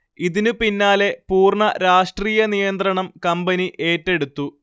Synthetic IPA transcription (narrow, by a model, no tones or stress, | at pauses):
iðinupinːaːle̞puːrɳɐɾaːʂʈriːjɐnijɐnd̪rɐɳɐmkɐmbɐniʔe̞ːtːe̞ɽut̪ːu